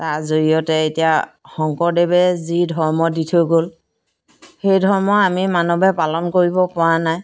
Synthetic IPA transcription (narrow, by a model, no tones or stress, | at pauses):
tazoijɔtɛetijaxɔŋkɔɹdebɛzidʱɔɹmɔditʰʊɡol | xejdʱɔɹmɔamimanɔbɛpalɔnkoɹibɔpʊwanaj